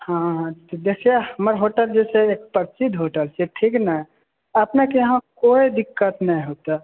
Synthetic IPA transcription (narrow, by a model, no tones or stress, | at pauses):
hãɦt̪od̪ekʰiehəməɾɦoʈəld͡ʒɛseeːk̚pəɾsid̪ʱɦoʈəlseʈʰiːknəɦɛ | əpnekeɦãkoːid̪ɪkːət̪nəɦĩɦoːt̪a